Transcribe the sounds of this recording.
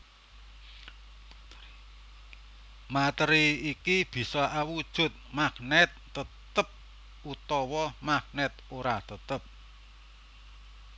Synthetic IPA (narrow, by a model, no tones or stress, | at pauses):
mat̪əɾiikib̥i̤sɔawud̥ʒ̥ʊ̤t̪̚maknɛt̪ːəttt̪əp̚ | ut̪ɔwɔmak̚nɛt̪̚oɾat̪ət̪əp̚